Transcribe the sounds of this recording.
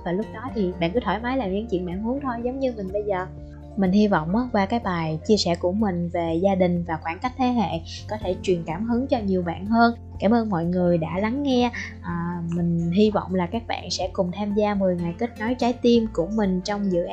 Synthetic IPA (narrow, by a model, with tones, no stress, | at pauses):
vaː˨˩lʊ˦˥k͡p̚ɗɔ˨˦t̪ʰi˨˩ɓa̰ː˧˨nkɨ˨˦t̪ʰɔ˧˩jmaː˨˦jlaː˨˩mɲɨ̰˧˥ŋt͡ɕwḭ˧˨ənɓa̰ː˧˨nhu˨˦əŋt̪ʰo˧jzə˨˦wŋ͡mɲɨ˧mï˨˩ŋ̟ɓə˧jzəː˨˩ | mï˨˩ŋ̟hi˧vɔ̰˧˨wŋ͡mʔaː˨˦kwaː˧kaː˨˦jɓaː˨˩jt͡ɕi˧əsɛ̰˧˩ku˧˩əmï˨˩ŋ̟ve˨˩zaː˧ɗï˨˩ŋ̟vaː˨˩xwaː˧˩nka˦˥jk̟̚t̪ʰe˨˦ɦḛ˧˨ | kɔ˨˦t̪ʰe˧˩t͡ɕwi˨˩ənkaː˧˩mɦɨ˨˦ŋt͡ɕɔ˧ɲi˨˩əwɓa̰ː˧˨nɦəː˧n | kaː˧˩mʔəː˧nmɔ̰˧˨jŋɨ˨˩əjɗa̰ː˧˥la˨˦ŋːɛ˧ʔːmï˨˩ŋ̟ɦi˧vɔ̰˧˨wŋ͡mlaː˨˩kaː˦˥k̚ɓa̰ː˧˨nsɛ̰˧˥kʊ˨˩ŋ͡mt̪ʰaː˧mzaː˧mɨ˨˩əjŋa˨˩jki˦˥k̟̚nɔ˨˦jt͡ɕaː˨˦jt̪i˧mkʊ˧˩əmï˨˩ŋ̟t͡ɕɔ˧wŋ͡mzɨ̰˧˨ʔ